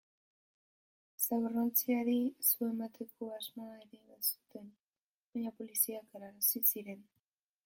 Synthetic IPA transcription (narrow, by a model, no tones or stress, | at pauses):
saɣorant͡siaɾisue̞mat̪ʰe̞ko̞azmaeɾeβasu̥t̪e̞n | baɲapo̞lisiakeɾaɾasisiɾe̞n